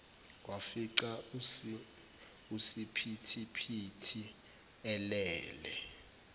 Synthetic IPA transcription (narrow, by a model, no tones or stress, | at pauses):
wafiǀa | usipʰitʰipʰitʰi | ɛlɛːlɛ̰